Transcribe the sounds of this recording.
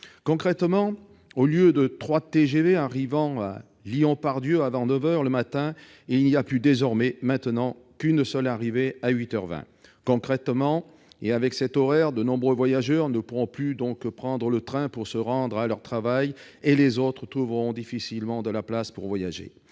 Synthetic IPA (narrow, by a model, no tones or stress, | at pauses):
kɔ̃kχɛt̪mɑ̃ | oljød̪ət̪χwat̪eʒeveaʁivɑ̃a̰ | liɔ̃paʁd̪jøavɑ̃nəvœʁləmat̪ɛ̃ | ilniaplyd̪ezɔʁmɛmɛ̃t̪nɑ̃kynsœlaʁiveaɥit̪œʁvɛ̰̃ | kɔ̃kχɛt̪mɑ̃ | eavɛksɛt̪ɔʁɛʁd̪ənɔ̃bʁøvwajaʒœʁnəpuʁɔ̃plyd̪ɔ̃kpχɑ̃d̪ʁələt̪χɛ̃puʁsəʁɑ̃d̪ʁalœʁt̪χavaj | elezot̪χət̪χuvəʁɔ̃d̪ifisilmɑ̃d̪əlaplaspuʁvwajaʒḛ